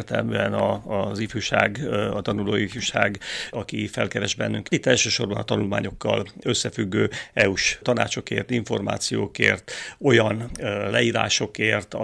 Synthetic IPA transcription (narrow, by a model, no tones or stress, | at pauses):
rt̪ɛ̰lmyːɛnɒːzifuʃa̰ːɡɒt̪ɒnuloːifuʃaːɡɒkifɛlkɛɾɛʒbɛnːyŋkit̪ːɛlʃøːʃo̞rbɒnɒt̪ɒnulma̰ːɲo̞kːɒ̰lø̞sːɛfyɡːøːɛuʃt̪ɒna̰ːt͡ʃo̞keːrt̪iɱfo̞rma̰ːt̪sijo̰ːkḛːrt̪o̞jɒnlɛiːɾa̰ːʃo̞keːrt̪ɒ